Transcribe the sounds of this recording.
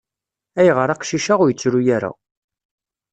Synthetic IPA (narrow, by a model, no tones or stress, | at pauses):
æjʁəɾaqʃiʃaʁʊɾjət͡sːɾujaɾa̰